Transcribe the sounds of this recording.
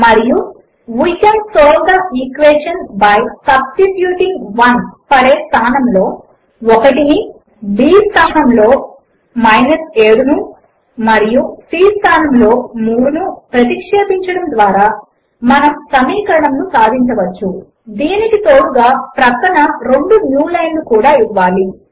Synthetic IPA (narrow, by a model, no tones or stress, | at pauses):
mɐɾiju | ʋujkːɐmsoːld̪ɐikʋeːʂɐnbɐjsɐbsʈiʈjuːʈiŋɡʋɐnpɐleːst̪ʰaːnɐmlo̞ː | ɔkɐʈini | biːst̪ʰaːnɐmlo̞ː | mɐjnɐse̞ːɽunu | mɐɾijusiːst̪ʰaːnɐmlo̞ːmuːɽunupɾɐt̪ikʂeːp̪iɲt͡ʃɐɽɐmd̪ʋaːɾaː | mɐnɐmsɐmiːkɐɾɐɳɐmnusaːd̪ʱiɲt͡ʃɐʋɐt͡ʃːu | d̪iːnikit̪o̞ːɽuɡaːpɾɐkɐɳɐɾeɳɖunjuːlɐjnlukuːɽaːiʋːaːli